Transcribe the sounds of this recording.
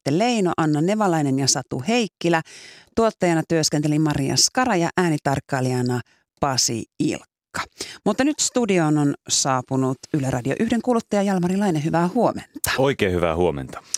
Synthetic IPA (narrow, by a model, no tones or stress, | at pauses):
t̪ːele̞ino̰ʔɑnːɑne̞ʋɑlɑjnenjɑsɑt̪ṵhe̞jkːilæt̪uot̪ːɑjɑnɑt̪yøskent̪elimɑriɑ̰skɑɾɑjɑʔæːnit̪ɑrkːɑːliɑnɑ | pɑsḭḭlkːɑ̥mut̪ːɑnyt̪st̪udio̞ːnonsɑːpunut̪ylørʔɑdioʔyhde̞ŋkuːlut̪ːɑjɑjɑlmɑrilɑjneɦyʋæːhuo̞ment̪ɑ̥oikeːhyʋæ̰huomḛnt̪ɑ̥